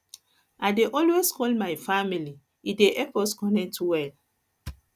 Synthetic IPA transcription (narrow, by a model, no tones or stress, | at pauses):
adeʔɔlweskʰɔlmajfamili | ideʔɛkɔskɔ̃nɛ̃tʰuwɛl